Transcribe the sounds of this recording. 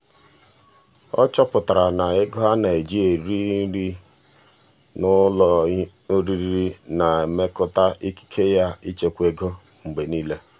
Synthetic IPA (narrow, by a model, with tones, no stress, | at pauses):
ɔ̰˦t͡ʃɔ˦pʊ˨ta˨ɾa˨na˨ɪ˦ɡɔ˦ɦa˦na˨e˨d͡ʒi˦e˨ɾi˦ɾi˦ | nʊ˦lɔ˨˦ | ɾi˦ɾi˦ɾi˦na˨e˨me˦kʊ˦ta˦ʔi˦ki̥˦kʰe˦ja˦i˦t͡ʃe˨kʷe˦ɡo˦ | ŋ͡m̩˨ɡ͡be˨niː˦le˦